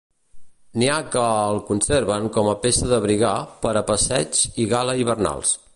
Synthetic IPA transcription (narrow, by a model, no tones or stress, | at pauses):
niakəːlˠkunseɾβəŋkɔməpesəðəβɾiɣapəɾəpəsɛt͡ʃiɣaləiβ̞ərna̰lˠs